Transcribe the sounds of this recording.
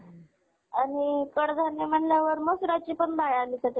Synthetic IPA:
aɽ̃ikəɽd͡z̪ʱanjem̤əɳljaʋəɾməsɾat͡ɕipəɳbajalisat̪e

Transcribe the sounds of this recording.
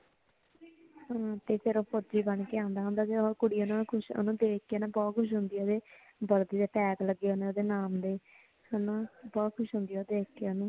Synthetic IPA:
ãːt̪eːpʰeɾoːpʰod͡ʒiːbəɳkeːãːnd̪aːɦõnd̪aːt̪eokʊɽijãːnaːkʰʊʃo̰nũːd̪eːk̚keːnãːbɔːt̪̚kʰʊʃ̬ɦʊ̃ːnd̪ijad̪eː | bəɾd̪iːd̪eːpɛːkləɡeoːnẽoːd̪eːnaːmd̪eː | ənãːbɔːt̪̚kʰʊʃɦʊ̃nd̪ijaoːd̪eːkkeoːnũː

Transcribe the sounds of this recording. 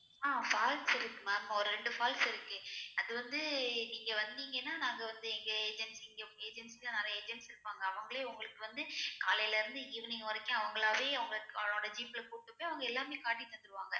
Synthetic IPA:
aːfaːlsɪɾɯkːɯmaːɐmːaːɔɾɯɾɛɳɖɯfaːlsɪɾɯkːɯɐðɯʋɐnd̪ɯniːŋɡɐʋɐnd̪iːŋɡɛnːaːnaːŋɡɐʋɐnd̪ɯɛŋɡɐeːd͡ʒɛnsɛŋɡɐʊŋeːd͡ʒɛnskːlɐnɛɾɐjɐeːd͡ʒɛɳʈsɪɾɯpːaːŋɡɐːʋɐŋɡɐɭeːʊŋɡɐɭɯkːɯʋɐnd̪ɯkaːlɐjlɐɪɾɯnd̪ɯɡiːʋɐnɪŋɐɐɾɐkːɐ̃ɐʋɐŋɡɐɭaːʋeːɐʋɐŋɡɐɭkoɽɐd͡ʒiːplɐkuːʈːɯpːojɐʋɐŋɡɐɛlːaːmeːkaːʈːit̪ːɐnd̪ɯɾɯʋaːŋɡɐ

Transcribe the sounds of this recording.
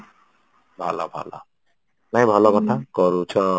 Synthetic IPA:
bʱalɔ̰bʱa̰lɔ̰ | naĩbʱɔlɔkɔʈʰakɔɾut͡ʃʰɔ

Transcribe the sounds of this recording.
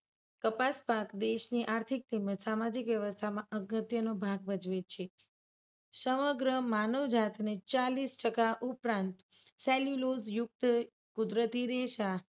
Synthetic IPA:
kəpaspakd̪eʃniʔaɾt̪ʰik̚t̪iməd͡ʒsamad͡ʒikʋjəʋəst̪ʰamãʔəɡət̪jənobʱaɡ̚bəd͡ʒʋet͡ʃʰe | səməɡɾəmanəʋd͡ʒat̪net͡ʃalisʈəkaʔupɾãnt̪ | sɛljulozjʊk̚t̪ | kud̪ɾət̪iɾeʃa

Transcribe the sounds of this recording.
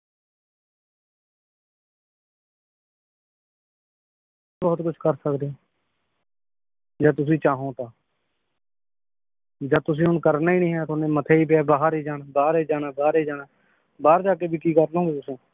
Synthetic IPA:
bɔːt̪kʊt͡ʃʰkəɾsəkd̪eo | d͡ʒaːt̪ʊs̬ĩːt͡ʃaːɦõːt̪aː | d͡ʒaːt̪ʊs̬ĩːʊnkəɾnaːiːnĩːɦɛːt̪onẽːmət̪ʰeːiːp̬ejaːbaːɦaɾiːd͡ʒaːnbaːɦɾiːd͡ʒaːnaːbaːɾeːd͡ʒaːnaː | baːɾd͡ʒaːkeːbʱiːkiːkəɾnõeːt̪ʊsẽː

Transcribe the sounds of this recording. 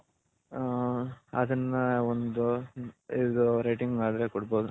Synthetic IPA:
ɐd̪ɐnːɐond̪uid̪uɾɐjʈiŋɡaːd̪ɾekɔɽboːd̪u

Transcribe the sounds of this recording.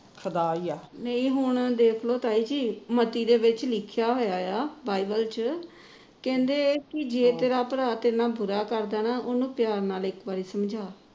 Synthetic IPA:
kʰəd̪aːiaːnəĩːɦʊɳ̃d̪eːkʰloːt̪aːiːd͡ʒiːmət̪iːd̪eːʋɪt͡ʃlɪkʰjaːɦoːjaːjaːbaːibəlt͡ʃ | kɛ̃ːnd̪eːkɪd͡ʒeːt̪eːɾaːpəɾaːt̪enãːbʊɾaːkəɾd̪aːnaːʔonũːpjaːɾnaːlɪkbaːɾiːsəmd͡ʒʱaː

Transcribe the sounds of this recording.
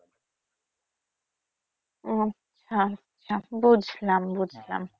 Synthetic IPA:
tːɕʰa | abud͡ʑʱlambud͡ʑʱla̰m

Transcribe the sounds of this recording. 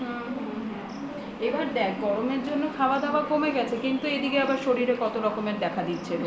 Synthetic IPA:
ɦɛ̃ɦ | ebaɾd̪ɛkɡɔɾomeɾd͡ʑonːokʰaoad̪aoakomeɡɛt͡ɕʰekint̪ued̪ikeabaɾʃoɾiɾekɔt̪oɾɔkomeɾd̪ɛkʰad̪it̪ːɕʰe

